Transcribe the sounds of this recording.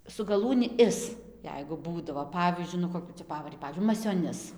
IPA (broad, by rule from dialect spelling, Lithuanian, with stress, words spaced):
sʊ ɡɐˈlˠuːnʲɪ ˈɪs ˈjɛɪɡʊ ˈbuːdɐʋoː ˈpɑːʋʲiːzʲd͡ʒʲʊɪ nʊ koːˈkʲuː t͡sʲɛ ˈpɑːʋɐrʲɪ ˈpɑːʋʲiːzʲd͡ʒʲʊɪ mɐsʲoːˈnʲɪs